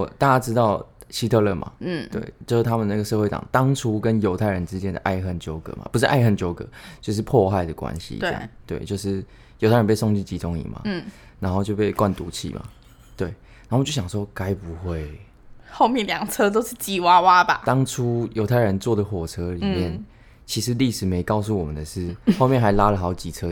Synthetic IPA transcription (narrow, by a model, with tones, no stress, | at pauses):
ɔ˨˩t̪a˥˧t͡ɕa˥ʈ͡ʂɻ̩˥t̪ɑ˥˨ʊɕi˥t̪ʰɤ˥˧lə˥˩ma̰˩˥˩t̪wḛ˥˩ɪjo˥˧ʊʂ̩˥˩t̪ʰa˥mə˨nəna˥˩ɡə˩ʂɤ˥˧we˥˩ɪʈ͡ʂɑ̰˨˩ŋt̪ɑ˦ŋʈ͡ʂʰu˦˥kə˦njo˧˥ʊt̪ʰa˥˩ɪɻə˧˦nʈ͡ʂɻ̩˥t͡ɕjɛ˦nd̪ə̰˩ʔa̰˥˩ɪxə˥˩nt͡ɕjo˥ʊkɤ̰˨˩˦ma̰˨pu˧˥ʂ̬ɻ̩˥˩ʔa̰˥˧ɪxə˥˩nt͡ɕjo˥ʊkɤ̰˨˩˦t͡ɕjo˥˧ʊʂ̬ɻ̩˥˧pʰwɔ˥˧xa˥˩ɪd̪ə˩kwa̰˦nɕḭ˨ḭ˧˥˨t̪we˥˩ɪt͡ɕjo˥˧ʊʂ̬ɻ̩˥˩ | jo˨˧˥t̪ʰa˥ə˧pe˥˧s̬o˥˧ŋt͡ɕi˥˩t͡ɕi˧˥t̪ʊ˥ŋḭ˨˩ma̰˨˩˥na˨˦˥nxo˥˧ʊt͡ɕjpe˥˧ɪkwa˥˨nt̪u˧˥t͡ɕʰḭ˥˩ma̰˨˩ | t̪we˥˩ɪ | na˨˥˩jo˥˩ɕɑ˨˩ŋʂwɔ˥ka˥ɪpu˨˧˦xwe˥˩ɪ | xo˥˧ʊmjɛ˥˨nljɑ˨˩ŋt͡sʰɤ˦˥t̪o˥ʊʂɻ̩˥˩t͡ɕi˨˩wa˥wa˦ba̰˨˩t̪ɑ˥ŋʈ͡ʂʰu˦jo˧˥t̪ʰa˥˩ɪə˧˦nt͡swɔ˥˩d̪ə˩xwɔ˨˩t͡sʰɤ˥li˨˩mjɛ˥˨n | t͡ɕʰi˧˥ʂɻ̩˧˦li˥˩ʂɻ̩˨˩me˧˥ɪkɑ˥˧ʊs̬u˥˩wɔ˨mə˨nd̪ə˩ʂɻ̩˥˩xmjɛ˥˨nxa˧˥ɪla˥lə˨xɑ˧˥ʊt͡ɕi˨˩t͡sʰɤ˦